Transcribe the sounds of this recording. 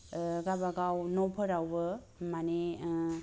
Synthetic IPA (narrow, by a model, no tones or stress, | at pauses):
ɡabaɡawnɔpʰɯɾawbɯ | mane